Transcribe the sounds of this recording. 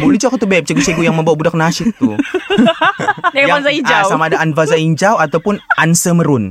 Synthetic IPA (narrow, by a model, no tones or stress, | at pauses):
bolɛt͡ʃɔkat̪ubɛp̚t͡ʃəɡuseɡujaŋmə̃mbawabudak̚naʃɪt̪ːu | jaazaid͡ʒawsamaːdaanvazaiɲd͡ʒawat̪awpʊnʔansəməɾʊn